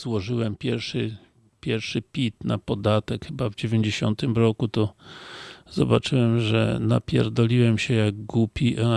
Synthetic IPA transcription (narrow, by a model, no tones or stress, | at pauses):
zwɔʐɘwɛmpʲjɛɾfʂɘ | pʲjɛɾfʂɘpʲit̪na̰pɔd̪at̪ɛkxɘbavd͡ʑevʲjeɲd͡ʑeɕɔnt̪ɘmɾɔkut̪ɔ | z̥ɔbat͡ʂɘwɛmʐɛ̰na̰pʲjɛ̰ɾd̪ɔlʲiwɛmɕɛjaɡɡupʲiʔa